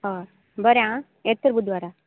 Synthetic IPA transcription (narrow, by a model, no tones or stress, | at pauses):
ɦɔ | bəɾjã | et̪əɾbud̪ʋaɾa